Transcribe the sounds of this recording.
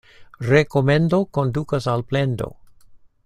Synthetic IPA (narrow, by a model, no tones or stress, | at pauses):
reko̞mend̪o̞ko̞nd̪ukasalplendo̞̰